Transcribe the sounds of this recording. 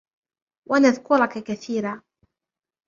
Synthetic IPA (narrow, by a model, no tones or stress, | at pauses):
wʔanaðkʊɾˤɑkakaθiːɾaː